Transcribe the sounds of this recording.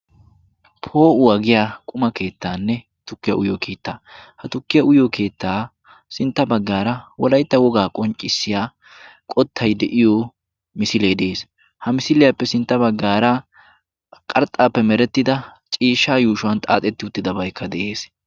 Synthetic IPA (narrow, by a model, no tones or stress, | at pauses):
pʰo̞ːʔʊwɐɡɪjaːkʼʊmɐke̞ːt̪ːaːnːɛ | t̪ʊkːɪjɐ̰ʊjɔkʰe̞ːt̪ːaːhɐt̪ʊkːɪjɐʊjokʰe̞ːt̪ːaː | sɪnt̪ːɐbɐɡːaːɾɐwɔlɐjt̪ːɐwɔɡaːkʼɔnt͡ʃʼːɪsːɪjaː | kʼɔt̪ʰːɐjd̪ɛʔɪjɔ | mɪsɪleːd̪eːs | hɐmɪsɪlɪjapːɛsɪnt̪ːɐbɐɡːaːɾɐ | kʼɐɾt̪ʼaːpːɛmɛɾɛt̪ːɪd̪ɐ | t͡ʃʼiːʃːaːjuːʃʊwɐnt̪ʼa̰ːt̪ʼɛt̪ːɪʊt̪ːɪd̪ɐbɐjkʰːɐd̪ɛʔe̞ːs